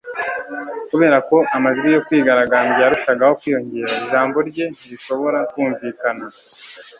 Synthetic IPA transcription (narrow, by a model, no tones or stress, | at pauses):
kuβe̞ːɾako̞ʔamazuɾijo̞kwiːɡaɾaɡaːmɟejaɾuʃaɡaho̞kwiːjo̞ɲɟe̞ːɾaiʒaːmbo̞ɾɟe̞niɾiʃo̞βo̞ɾakwuːɱviːkana